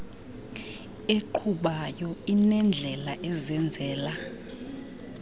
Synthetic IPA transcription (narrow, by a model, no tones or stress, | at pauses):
eǃʰuɓajɔinɛnd͡ɮʱɛlaʔɛzɛnd͡zʱɛːla